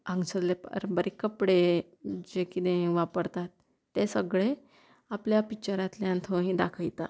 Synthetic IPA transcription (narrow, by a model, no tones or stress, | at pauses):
ə̃ŋɡsəllepə̰ɾbəɾekəpɽe | d͡ʑekid̪ẽʋapəɾt̪at̪ː | esəɡɭe | apljapit͡ɕaɾat̪ljãnt̪ʰoɦĩd̪akʰəjt̪a̰